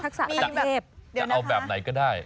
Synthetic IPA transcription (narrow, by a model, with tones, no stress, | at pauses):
t̪ʰaː˦˥k̚sa̰ː˧˨˦aː˦˨˧p̚a˧wɓɛː˨˩p̚na˨˩jkɔː˨˦ɗaː˥˩j